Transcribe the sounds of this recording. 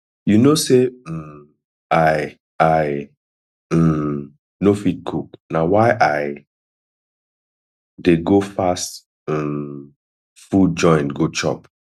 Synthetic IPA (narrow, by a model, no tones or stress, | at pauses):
junose | aɪ | aɪ | nofit̚kʰuknawaɪʔaɪ | deɡofast̩ | fud͡ʒɔ̃ɪ̃nɡot͡ʃɔ̰p